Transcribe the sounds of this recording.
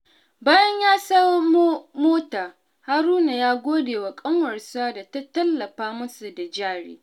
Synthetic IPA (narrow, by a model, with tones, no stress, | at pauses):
baː˦jɐ˦ɲjaː˦sɐ˦wm˦moː˦taː˨ | ha˦ɾuː˦na˨jaː˦ɡʷoː˦deː˨wa˨kʼɐ˦ŋwɐ˨rsaː˦da˨ta˦tɐ˦lːɐ˨ɸaː˦mʊ˦su˨da˨d͡ʒaː˦ɽḛː˦